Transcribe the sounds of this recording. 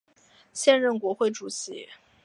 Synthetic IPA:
ɕjɛ˥˧nɻə˥˩nkwɔ˧˥xwe˥˩ɪʈ͡ʂu˨˩ɕḭ˧˥

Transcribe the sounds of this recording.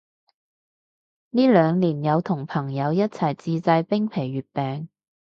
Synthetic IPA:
niː˥lœː˨˧ŋliː˨˩njɐ˨˧wt̪ʰʊ˨˩ŋpʰɐ˨˩ŋjɐ˨˧wjɐ˥t̚t͡sʰɐ˨˩jt͡siː˧t͡sɐ˧jpɪ˥ŋpʰe˨˩jɥyː˨t̚pɛː˨˧ŋ

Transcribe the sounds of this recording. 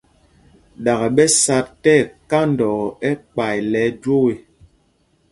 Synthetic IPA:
ɗa˨ɣa˨ɓɛ˦sa˦ttɛ˦˨ka˦n˨dɔ˨ɛ˦k͡pa˨jlɛ˨˦d͡ʒwo˦we˨

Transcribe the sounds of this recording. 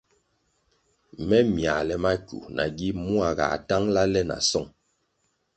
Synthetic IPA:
mɛ˦mja˨lɛ˦ma˦kṵ˨na˨ɡi˦mu˦a˨ɣa̰˨ta˦ŋla˦lɛ˦na̰˨sɔ˦˨ŋ

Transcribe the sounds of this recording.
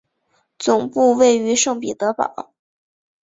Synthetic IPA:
t͡sʊ˨˩ŋpu˥˧we˥˩ɪy˧˥ʂɤ˥˩ŋpi˨˩t̪ɤ˧˥pɑ̰˨˩˦ʊ

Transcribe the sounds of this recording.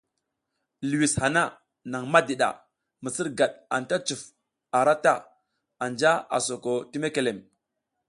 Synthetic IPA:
lu˨wi˨sha˨na˦ | na˨ŋma˦di˨ɗa̰˨ | mə˨sə˦ɾɡa˨ɗa˨n˨ta˦t͡su˨f | a˨ɾa˦ta˦ | a˨nd͡ʒa˦a̰˨so˨ko˨ti˦me˦ke˨le˨m

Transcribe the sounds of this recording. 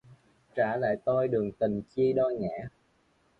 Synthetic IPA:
t͡ɕaː˧˩la̰ː˧˨jt̪o˧jɗɨ˨˩əŋt̪i˨˩ŋt͡ɕi˧əɗɔ˧ŋɛ̰ː˧˥˦

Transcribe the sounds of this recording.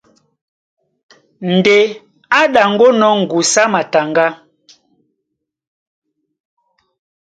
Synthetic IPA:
n̩˨de˨ | a˦ɗa˨ŋ̩˦ɡo˦nɔ˦ŋ̩˨ɡu˨sa˦ma˨ta˨ŋɡa˦

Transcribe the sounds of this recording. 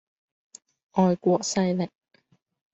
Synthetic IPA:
ʔɔː˨jkʷɔː˧k̚sɐ˧jlɪ˨˩k̚

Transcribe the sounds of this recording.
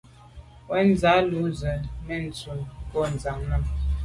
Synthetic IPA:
wɛ˦n˦za˨˦lu˨˦zə˨mɛ˦˨n̩˨t͡su˨pɔ˦˨n˨za˨ŋna˦˨m

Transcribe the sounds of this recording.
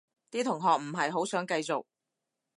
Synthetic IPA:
t̪iː˥t̪ʰʊ˨˩ŋɦɔː˨k̚m̩˨˩ɦɐ˨jɦo˨˥wsœː˨˥ŋkɐ˧jt͡so˨˩k̚

